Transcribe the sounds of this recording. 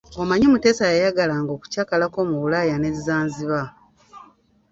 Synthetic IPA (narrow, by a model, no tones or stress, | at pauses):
omaɲemute̞ːsajajaɡalaŋɡo̞ːku̥caːkalako̞ːmuβulajane̞zizaːnziβa